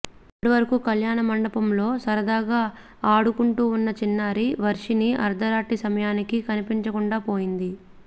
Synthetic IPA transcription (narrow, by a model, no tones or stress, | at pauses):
ɐpːɐɽiʋɐɾɐkukɐljaːɳɐmɐɳɖɐpɐmlo̞ːsɐɾɐd̪aːɡaː | aːɽukuɳʈuːunːɐt͡ʃinːaːɾiʋɐɾʂiniɐ̰ɾd̪ɐɾaːʈisɐmɐjaːnikikɐnipiɲt͡ʃɐkuɳɖaːpo̞ːjind̪i